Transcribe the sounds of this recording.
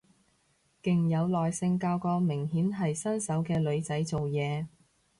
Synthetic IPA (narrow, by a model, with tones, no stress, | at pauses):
kɪ˨ŋjɐ˨˧wlɔː˨jsɪ˧ŋkaː˧wkɔː˧mɪ˨˩ŋɦiː˨˥nɦɐ˨jsɐ˥nsɐ˨˥wkɛː˧lɵ˨˧ɥt͡sɐ˨˥jt͡so˨wjɛː˨˧